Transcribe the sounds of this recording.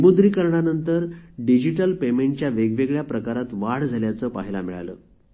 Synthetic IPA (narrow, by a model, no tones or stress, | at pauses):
əmud̪ɾiːkəɾɳanənt̪əɾɖid͡ʑiʈəlpemeɳʈ̚t͡ɕjaʋeɡʋeɡɭjapɾəkaɾat̪ʋaɽd͡zʱaljat͡səːpa̰ɦila̰miɭa̰lə̰ː